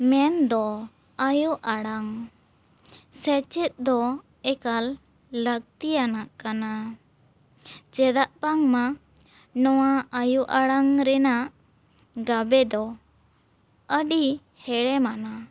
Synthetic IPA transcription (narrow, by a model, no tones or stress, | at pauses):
mɛnd̪ɔ | ajuʔaɽaŋ | sɛt͡ʃɛt̪̚d̪ɔ | ɛkalː | əɡ̚t̪ijanaʔkana | t͡ʃɛd̪aʔpaŋma | nɔwaajuʔaɽaŋɾɛnaʔ | ɡabɛd̪ɔ | əɖi | hɛɽɛmana